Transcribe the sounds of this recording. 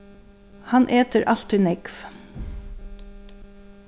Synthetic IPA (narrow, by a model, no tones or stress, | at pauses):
hanʔeːt̪əɾʔal̥t̪ɪnɪkv